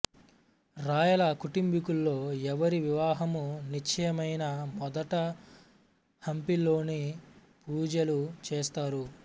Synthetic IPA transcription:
ɾaːjɐlɐkuʈimbikulːo̞ːɛʋɐɾiʋiʋaːɦɐmunit͡ʃʰɐjɐmɐjnɐmɔd̪ɐʈɐ | hɐmpilo̞ːni | puːd͡ʒɐlut͡ʃeːst̪aːɾu

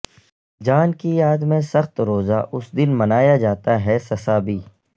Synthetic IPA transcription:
d͡ʒaːnkijaːd̪mẽsɐxt̪ɾoːzaʔʊsd̪ɪnmɐnaːjad͡ʒaːt̪aɦɛsɐsaːbiː

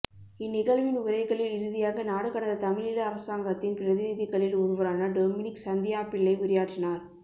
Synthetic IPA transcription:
ɪnːɪɣɐɭʋɪnʊɾɐɪɣɐɭɪlɪɾɯðɪjaːɣɐnaːɽɯɣɐɳɐðɐt̪ɐmɪɭɪlɐːɾɐsaːŋɡɐt̪ːɪnpɪɾɐðɪnɪðɪɣɐɭɪlʊɾɯʋɐɾaːnɐɖoːmɪnɪksɐnd̪ɪjaːpɪɭːɐɪʊɾɪjaːʈrɪnaːɾ

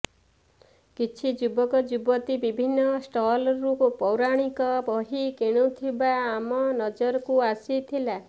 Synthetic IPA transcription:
kit͡ʃʰid͡ʒubɔkɔd͡ʒubɔt̪ibibʱinːɔsʈɔlɔɾukupɔwɾaɽ̃ikɔbɔɦikeɽ̃ut̪ʰibaːmɔnɔd͡ʒɔɾɔkuasit̪ʰila

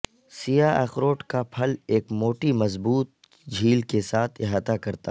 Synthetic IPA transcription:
sijaɛ̰ːxɾoːʈkapʰɐleːkmoːʈimɐzbuːt̪̚ | d͡ʒʱiːlkesaːt̪ʰɪɦaːt̪akɐɾt̪a̰ː

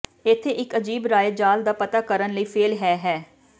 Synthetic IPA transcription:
ɪt̪ʰːeːʔɪkəd͡ʒiːbɾaːjət̪̚d͡ʒaːld̪aːpət̪aːkəɾənləiːpʰeːlɦɛːɦɛː

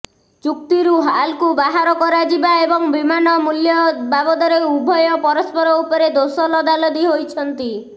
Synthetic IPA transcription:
t͡ʃuk̚t̪iɾuɦalkubaɦaɾɔkɔɾad͡ʒibaebɔŋbimanɔmuljɔbabɔd̪ɔɾeubʱɔjɔpɔɾɔspɔɾɔupɔɾed̪osɔlɔd̪alɔd̪iɦojt͡ʃʰɔnt̪i

